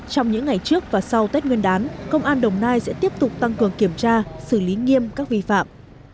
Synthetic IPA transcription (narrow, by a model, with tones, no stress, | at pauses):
t͡ɕɔ˧wŋ͡mɲɨ̰˧˥ŋːa˨˩jt͡ɕɨ˦˥ək̚vaː˨˩sa˧wt̪e˦˥t̚wi˧ənɗaː˨˦nkə˧wŋ͡mʔaː˧nɗə˨˩wŋ͡mnaː˧jsɛ̰˧˥t̪i˦˥əp̚t̪ʊ˨˩k͡p̚t̪a˧ŋkɨ˨˩əŋki˧˩əmt͡ɕaː˧sɨ˧˩li˨˦ŋi˧əmkaː˦˥k̚vḭ˧fa̰ː˧˨m